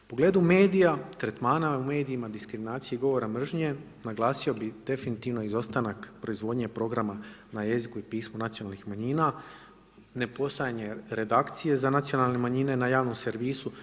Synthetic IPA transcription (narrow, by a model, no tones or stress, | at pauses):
upo̞ɡle̞ːd̪ume̞ːd̪ijat̪ɾet̪maːnaume̞ːd̪iːmad̪iskɾiminaːt̪siiɡo̞ʋo̞ɾamr̩ʒɲe̞ | naɡlˠaːsio̞bid̪̥e̞finit̪iʋno̞izo̞st̪anakpɾo̞izʋod̪ɲe̞pɾo̞ɡɾama | naje̞zikuipiːsmonat̪sionalˠnixmaɲina | ne̞po̞st̪ajaɲe̞ɾe̞d̪akt̪sije̞zanat̪sio̞nalnemaɲine̞najaːʋnomse̞ɾʋiːsu